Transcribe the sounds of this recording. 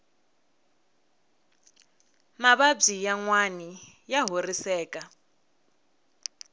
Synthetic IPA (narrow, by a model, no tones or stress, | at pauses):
maβab͡ʐijaŋwani | jaɦorisɛːkʼa